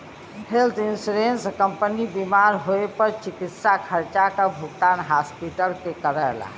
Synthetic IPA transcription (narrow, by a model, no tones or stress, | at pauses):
helt̪insɾenskəmpənibimaɾɦoepəɾt͡ʃikit̪sakʰəɾt͡ʃakabʱukʈanɦaspiʈəɾkekəɾəla̰